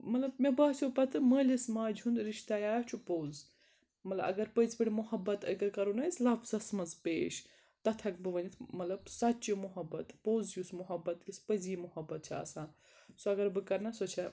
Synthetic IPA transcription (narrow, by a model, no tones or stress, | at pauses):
mɐt̪lɐbmebaːsʰʲupɐt̪ʰɨmɐːlʲismaːd͡ʒʲɦund̪ɾiʃt̪ajaːt͡ʃʰupowz | mɐt̪lɐ̰ɐ̰ɡɐɾpəzpɐɽʲimuɦɐbːɐt̪ɐɡɐɾkɐɾonɐːislɐbzɐsmɐnzpeːʃ | t̪ɐt̪ʰɐk̚bɨʋɐnit̪ʰmɐt̪lɐbsɐtt͡ʃimuɦɐbɐt̪powzjusmuɦɐbːɐt̪kʲispəzimuhɐbːɐt̪̚t͡ʃʰiɐ̰sãː | soɐɡɐɾbɨkɐɾnɐsot͡ʃʰɐ